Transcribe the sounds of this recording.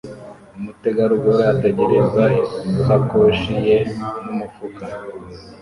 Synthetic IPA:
umute̞ɡaɾuɡoɾaateɟeɾezauhakoʃije̞numufuka

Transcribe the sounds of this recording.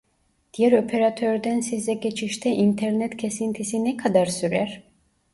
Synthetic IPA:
d̪̥ijɛɾo̞pʰeɾat̪ʰøɾd̪ænsizɛɟe̞t͡ʃʰiʃt̪ʰɛʔint̪ʰɛɾnɛt̪cʰe̞sint̪ʰisinɛkʰad̪aɾsyɾæɾ̥

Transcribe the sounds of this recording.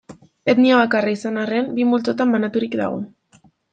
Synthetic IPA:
e̞t̪niaβakaraisanarembimbult͡so̞t̪ambanat̪uɾikd̪a̰ɣ̞o̞̰

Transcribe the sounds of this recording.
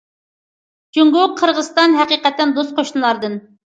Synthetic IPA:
d͡ʒuŋɡoqʰːəɾʁəzt̪ɑnɦɛqiqɛt̪ːɛnd̪ost̪̚qʰoʃnɨlˠɑɾd̪ɨn

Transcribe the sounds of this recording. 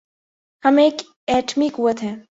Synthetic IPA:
hɐmeːk | ɛːʈʰmikɦuət̪ɦɛ̃ː

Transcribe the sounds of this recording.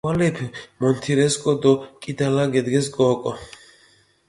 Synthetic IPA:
alɛpʰmɔnt̪ʰiɾɛskʼɔd̪ɔkʼid̪alaɡɛd̪ɡɛsɡɔːkʼɔ

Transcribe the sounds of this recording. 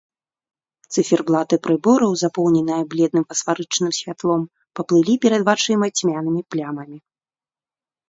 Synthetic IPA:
t̪sɨfʲɛrblˠat̪ɨpɾɨbɔɾɐwzapɔwnʲɛnɐjɐblʲɛd̪nɨmfɐsfaɾɨt͡ʂnɨmsʲvʲat̪lˠɔm | pɐplˠɨlʲipʲɛɾɐd̪vat͡ʂɨjmɐt͡sʲmʲanɨmʲiplʲamɐmʲi

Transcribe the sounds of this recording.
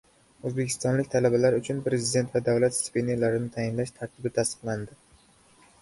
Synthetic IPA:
ɵzbe̞kʲʰɪ̥st̪ɒnlɪkʲt̪ʰalabalaɾʊt͡ʃʰʊnpɾe̞zɪd̪e̞nt̪vad̪avlat̪spʲenelaɾɪnɪt̪ʰajɪnlaʃt̪ʰaɾt̪ʰɪbɪt̪ʰast̪ɨ̥qlˠand̪ɪ

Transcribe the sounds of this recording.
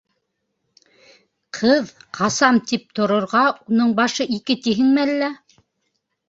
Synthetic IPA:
qʰɤðqʰɑsɑmt̪ip̚t̪ŏɾŏɾʁɑunɤɴbɑʃɤʔikɘt̪iɦɘŋmælːæ

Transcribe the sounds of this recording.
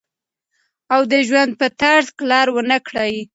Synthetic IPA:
awd̪əʒwand̪̚pət̪aɾzklɑɾwənakɽaj

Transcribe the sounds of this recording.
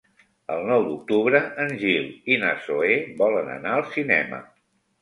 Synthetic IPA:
əlˠnɔwd̪uk̚t̪uβɾəʔənʲʒilˠina̰soebɔlənə̰naəlˠsinɛ̰mə̰

